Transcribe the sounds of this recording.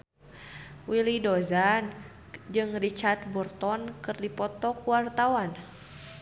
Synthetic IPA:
wilidɔzan | d͡ʒɨŋrit͡ʃart̪̚burt̪ɔnkɨrdipɔt̪ɔkuwart̪awan

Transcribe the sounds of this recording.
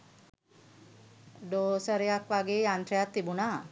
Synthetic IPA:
ɖosəɾjakʋaɡejant̪ɾjat̪ːibuna

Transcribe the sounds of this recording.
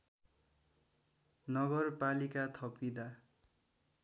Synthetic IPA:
nʌɡʌrpalikat̪ʰʌpid̪a

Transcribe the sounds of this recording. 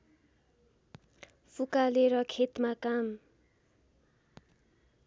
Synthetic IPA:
pʰukaleɾʌkʰet̪makam

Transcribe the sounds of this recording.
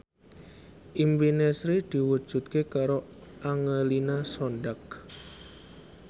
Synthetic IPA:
ʔimbinesɾid̪̥i̤wud̥ʒ̥ṳt̪̚kekaɾo | ʔaŋəlinasɔnɖak

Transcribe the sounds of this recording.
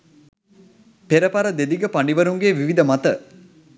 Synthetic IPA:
peɾəpaɾəd̪ed̪iɡəpaɳɖiʋəɾuŋɡeːʋiʋid̪əmat̪ə

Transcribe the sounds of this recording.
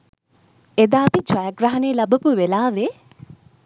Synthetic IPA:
ed̪aːpid͡ʒwɐjɐɡrɐɦɐneːlɐbɐpuʋelaːʋe

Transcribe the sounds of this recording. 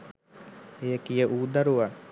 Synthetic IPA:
ejəkijəʔuːd̪ɐɾuʋɐ

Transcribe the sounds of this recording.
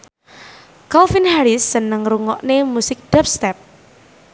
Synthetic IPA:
kɔlfinhaɾɪsːənəŋɾuŋɔʔnemusɪk̚d̥ap̚st̪ɛp̚

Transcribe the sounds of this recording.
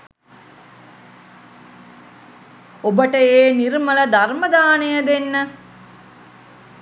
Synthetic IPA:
obəʈəeːniɾmələd̪arməd̪aːnejəd̪enːə

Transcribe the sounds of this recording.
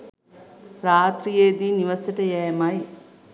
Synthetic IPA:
ɾaːt̪ɾijeːd̪iːniʋɐsɐʈɐjɛːmɐj

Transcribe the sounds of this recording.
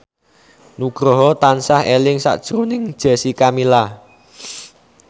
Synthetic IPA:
nuɡ̥ɾɔ̤ɦɔt̪ansahelɪŋsa̰ʔd̥ʒ̥ɾonɪŋd̥ʒ̥a̤sikamila

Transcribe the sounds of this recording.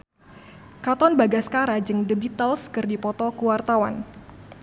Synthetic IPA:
kat̪ɔnbaɡasə̥kaɾad͡ʒɨŋdəbit̪alskɨrdipɔt̪ɔkuwart̪awan

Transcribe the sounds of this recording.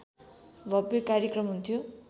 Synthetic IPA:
bʱʌpːokaɾjekrʌmɦunt̪ʰjo

